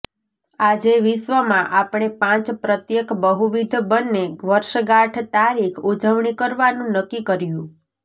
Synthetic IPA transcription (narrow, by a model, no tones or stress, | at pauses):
ad͡ʒeʋɪʃʋəmãʔapɽ̃epãt͡ʃpɾət̪jekbəɦuʋid̪ʱbənːeɡʋəɾʃəɡaʈʰt̪aɾikʰud͡ʒəʋɳikəɾʋanũnəkːikəɾjũ